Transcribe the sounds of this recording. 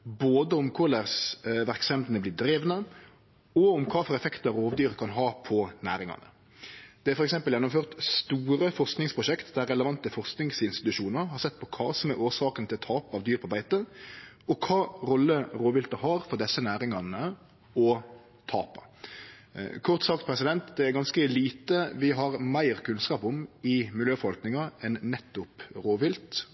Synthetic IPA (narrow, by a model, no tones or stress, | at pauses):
boːd̪əʊmkʰʊlæʁsʋæɾksɛmd̪ənəblɪːd̪ɾeːʋnə | ɔʊmkʰɑːfɔɾɛfɛkt̪əɑɾoːʋd̪yːɾkʰɑnɦɑːpʰɔnæ̰ːɾɪŋɑ̰nə̰ | d̪̥ɛæɾfɔɾɛksɛmpəljɛnːɔmføːʁt̪st̪uːɾəfɔɾsknɪŋspʰɾʊʃɛkt̪d̪æɾːɛləʋɑnt̪əfɔɾsknɪŋsɪnst̪ɪ̥t̪ʉʃuːnəɾhɑɾsɛt̪ːpʰɔkʰɑ̰ːsɔmæʔoːɾsɑːkənt̪ʰɪlɔt̪ʰɑːpɑːʋd̪yːɾpʰɔbæɪt̪əɔkʰɑːɾɔlːəɾoːʋɪlt̪əɦɑːɾfɔɾd̪ɛsːənæːɾɪŋɑnə | ɔ | t̪ʰɑ̰ːpɑ̰ | kʰɔʁt̪sɑk̚t̪̚pʰɾɛsɪd̪ɛnt̪d̪ɛæɾɡɑnskəliːt̪əʋɪɦɑʁmæɪʁkʰʉnskɑːpɔmɪmɪljøːfɔʁɑlknɪŋɑɛnːɛt̪ːʊpɾoːʋɪlt̪